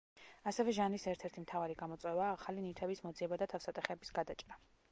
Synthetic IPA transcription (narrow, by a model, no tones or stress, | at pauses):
asɛvɛʒanlisɛɾt̪ʰɛɾt̪ʰimt̪ʰavaɾiɡamɔt̪sʼwɛvaːχalinit̪ʰɛbismɔd̪ziɛbad̪at̪ʰafsat̪ʼɛχɛbisɡad̪at͡ʃʼɾa